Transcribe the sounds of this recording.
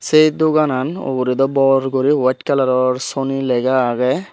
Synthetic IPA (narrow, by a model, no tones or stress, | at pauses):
sejd̪uɡanano̰buɾid̪ɔbɔɾɡoɾiwatkalaɾɔɾsonilɛɡaːɡɛ